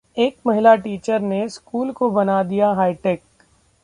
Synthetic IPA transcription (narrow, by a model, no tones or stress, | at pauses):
eːkmɐɦɪlaʈiːt͡ʃəɾneskuːlkobɐnad̪ijaɦaːɪʈeːk